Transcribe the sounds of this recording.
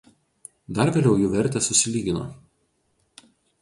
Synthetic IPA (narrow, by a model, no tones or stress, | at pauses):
d̪ɐɾʋʲeːlʲɛʊjuːʋʲɛɾʲt̪ʲɛsʊsʲɪlʲiːɡʲɪno̰ː